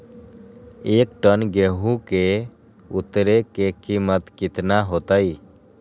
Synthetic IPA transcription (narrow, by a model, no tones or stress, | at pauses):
eːkʈənɡeɦũke | ʊt̪ɾekekimət̪kɪt̪naɦoːt̪aiː